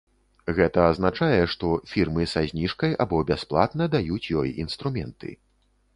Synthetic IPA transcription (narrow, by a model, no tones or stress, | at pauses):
ɣɛt̪ɐːznat͡ʂajɛʂt̪ɔfʲirmɨsazʲnʲiʂkɐja̰bɔbʲasplˠa̰t̪nɐd̪ajut͡sʲjɔjinst̪ɾumʲɛnt̪ɨ̰